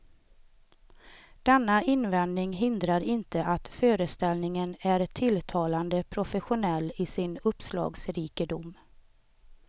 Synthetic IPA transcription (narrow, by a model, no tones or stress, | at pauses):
d̪̥ɛnːaɪnvɛnd̪nɪŋɦɪnd̪ɾaɾɪnt̪əʔat̪føːɾəst̪ɛlnɪŋənæɾt̪ʰɪlt̪ʰɑːland̪əpʰɾʊfəɧʊnɛlːɪsɪnɵpslɑ̰ːɡsɾiːkəd̪ʊm